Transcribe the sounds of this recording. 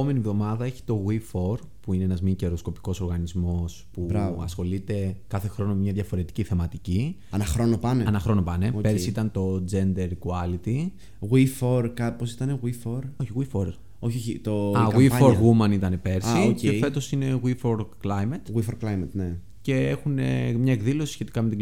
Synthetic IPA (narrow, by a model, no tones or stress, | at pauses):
ome̞nievðo̞mɐðɐe̞çi̥t̪o̞ɣwifo̞ɾ | puineenɐzmice̞ɾosko̞pi̥ko̞so̞ɾɣɐnizmo̞spubɾɐvɐsxo̞lit̪e̞kɐθe̞xɾo̞nommɲɐðʝɐfo̞ɾe̞t̪i̥ciθe̞mɐt̪ici | ɐnɐxɾo̞nopɐneɐnɐxɾo̞no̞pɐne̞opeɾsit̪ɐnt̪o̞d͡ze̞nd̪e̞ɾkuɐlit̪i | ɣwifoɾkɐposi̥t̪ɐneɣwifoɾoçiɣwifoɾ | oçoçit̪oɐɣɐifoɾɣumɐnit̪ɐne̞pe̞ɾsiocefe̞t̪o̞sine̞ɣwifo̞ɾklɐjmɐt̪ɣwifoɾklɐjmɐt̪ne | ce̞exune̞̰mɲɐe̞kðilo̞si̥sçe̞t̪i̥kɐme̞t̪i